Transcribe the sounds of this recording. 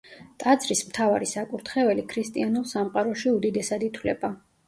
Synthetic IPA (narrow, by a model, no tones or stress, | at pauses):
t̪ʼad̪zɾismt̪ʰavaɾisakʼuɾt̪ʰχɛvɛlikʰɾist̪ʼianulˠsamqʼaɾɔʃiud̪id̪ɛsad̪it̪ʰwlɛba